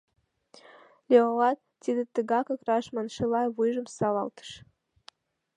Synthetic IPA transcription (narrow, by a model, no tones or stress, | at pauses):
lʲeolɑt̪̚ | t̪id̪ət̪əɡɑkɤ̆krɑʃmɑnʃɤlˠɑvujʒə̆msɑlɑ̰lˠt̪ʰə̥ʃ